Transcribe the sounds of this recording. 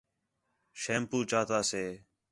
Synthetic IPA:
ʃeːmpuːt͡ʃaːt̪aːseː

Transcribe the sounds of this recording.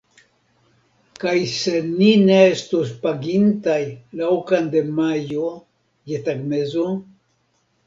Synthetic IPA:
kajse̞nineestos̬paɡintajlawkande̞majo | jetaɡme̞zo

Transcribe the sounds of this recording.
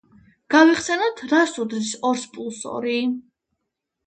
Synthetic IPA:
ɡ̥aviχsɛnɔt̪ʰɾasud̪ɾisɔɾspʼulˠsɔ̰ɾi

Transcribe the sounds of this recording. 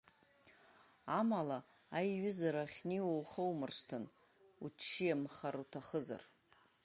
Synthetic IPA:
amala | ajɥʊzaɾaχʲniwowχəwmɨrʂtʰɨn | ut͡ʃʰːijamχaɾutʰaχəza̰r

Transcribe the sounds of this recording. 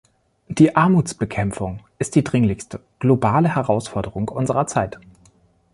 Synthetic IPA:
d̥iːʔaɐmuːt͡sb̥əkʰɛmfʊŋʔɪst̚d̥iːdʁɪŋlɪçstə | ɡ̥lobaːləhɛʁaʊsfɔɐdəʁʊŋʔʊnzəʁɐt͡saɪt

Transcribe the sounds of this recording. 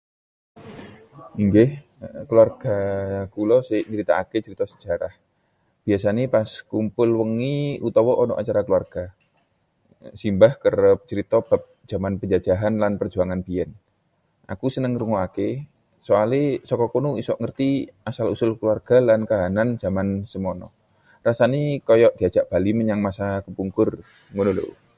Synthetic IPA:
iŋɡɪh | kəluarɡ̥akulɔsɪʔɲəɾit̪a̰aket͡ʃəɾit̪ɔsə̥d͡ʒ̥aɾah | b̥iasanepaskumpʊlwəŋiut̪ɔwɔʔɔnɔ̰ʔat͡ʃaɾakəluarɡ̥a | simbahkərp̚t͡ʃəɾit̪ɔb̥ap̚d͡ʒ̥amanpəɲd͡ʒḁd͡ʒaɦanlanpərd͡ʒuaŋanbiɛn | a̰kusənəŋɾuŋɔake | soalesɔkɔkunuisɔʔŋərt̪iasalusʊlkəluarɡ̥alankaɦanand͡ʒamansəmɔnɔ̰ | rasanikɔjɔʔd̥iḁd͡ʒ̥aʔb̥a̤liməɲaŋmasakəpuŋkʊr | ŋunulo̰ʔ

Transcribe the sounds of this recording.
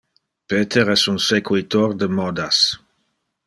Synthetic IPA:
peːt̪ʰeɾɛsunsekwit̪ord̪əmɔd̪as

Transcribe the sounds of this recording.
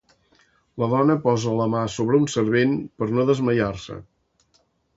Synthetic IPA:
ləðɔnəpɔzələmasoβɾəunsəɾβenpəɾnoðəzməjarsə̰

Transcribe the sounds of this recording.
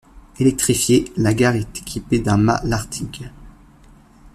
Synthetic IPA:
elɛk̚t̪χifjelaɡaʁɛt̪e̥kʲʰiped̪ɛ̃ma̰laʁt̪ʰik

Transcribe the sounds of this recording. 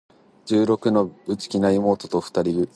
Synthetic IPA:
d͡ʑɨːɾo̞kɯ̟no̞bɯ̟t͡sɨ̥kʲinaimo̞ːt̪o̞t̪o̞ɸɯ̥t̪aɾʲiɡɯ̟

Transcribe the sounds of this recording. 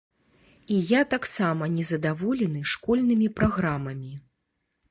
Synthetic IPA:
ijat̪aksamɐnʲɛzɐd̪avɔlʲɛnɨʂkɔlʲnɨmʲipɾaɣɾamɐmʲi

